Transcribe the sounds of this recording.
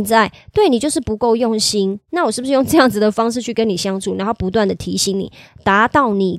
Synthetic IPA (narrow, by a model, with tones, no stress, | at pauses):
nt͡sa˥˩ɪt̪we˥˩ɪni˨˩t͡ɕjo˥˧ʊʂ̬ɻ̩˥˩pu˧˥ko˥˧ʊjo˥˩ŋɕi˥nna˥˩wɔ˨˩ʂɻ̩˥˩bu˩ʂ̩ɻ̩˥jo˥˧ŋʈ͡ʂɤ˥˧jɑ˥˩ŋd͡zɹ̩˩d̪ə˩fɑ˥ŋʂɻ̩˥˧t͡ɕʰy˥˩kə˦˥ni˨˩ɕjɑ˥ŋʈ͡ʂʰu˨˩na˧˥nxo˥˩ʊpu˧˦t̪wa˥˩nd̪ə˩t̪ʰi˧˥ɕi˧˥ŋnḭ˨˩t̪a˧˥t̪ɑ˥˩ʊni˨˩